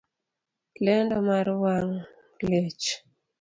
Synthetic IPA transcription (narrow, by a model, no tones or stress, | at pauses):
lɛndɔmaɾwaŋ | let͡ʃ